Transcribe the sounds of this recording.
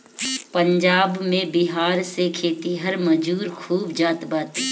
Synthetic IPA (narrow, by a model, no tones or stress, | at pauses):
pə̃ɲd͡ʒaːbmẽbɪɦaːɾsekʰeːt̪iɦɐɾməd͡ʒuːɾkʰuːbd͡ʒaːt̪baːt̪